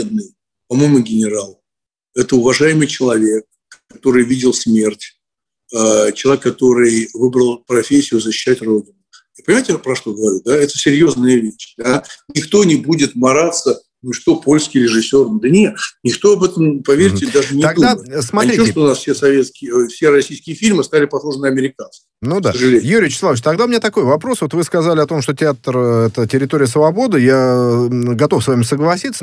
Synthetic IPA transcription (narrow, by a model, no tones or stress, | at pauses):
ed̪̚nɨj | pɐmo̞jmʊɡʲɪnʲɪɾalˠ | ɛt̪əʊvɐʐajɪmɨjt͡ɕɪlˠɐvʲe̞k̚ | kːɐt̪o̞ɾɨjvʲidʲɪlˠsmʲe̞rtʲ | ət͡ɕɪlˠɐekːɐt̪o̞ɾɨjvɨbɾəlˠpɾɐfʲesʲːɪjʊzəɕːɪ̥ɕːætʲro̞dʲɪnʊ | japənʲɪmajtʲɪpɾɐʂt̪o̞ɡəvɐɾʲud̪aɛt̪ə̥sʲɪɾʲjo̞znɨjəvʲeɕd̪anʲɪkt̪o̞nʲɪbudʲɪt̪mɐɾat̪sə | nʊʂt̪opo̞lʲskʲɪjɾʲɪʐɨsʲːo̞rnd̪ənʲet̪nʲɪkt̪o̞ɐbɛt̪əmpɐvʲeɾʲtʲɪd̪aʐɨnʲɪɐɡd̪asmɐt̪ɾʲioʂt̪oʊnasfsʲesɐvʲet̪skʲɪjəfsʲeɾɐsʲijskʲɪjəfʲilʲmɨst̪alʲɪpɐxxoʐənɪɐmʲɪɾʲɪkansə | nud̪a̰səʐɨlʲejuɾʲɪɪt͡ɕɪ̥slˠavət͡ɕt̪ɐɡd̪aʊmʲɪnʲat̪ɐko̞jvɐpɾo̞svot̪vɨskɐzalʲɪɐt̪o̞mʂt̪otʲɪat̪rɛt̪ətʲɪɾʲɪt̪o̞ɾʲɪjəsvɐbo̞d̪ɨja | ɡɐt̪o̞fsvamʲɪsəɡlˠɐsʲit̪sːə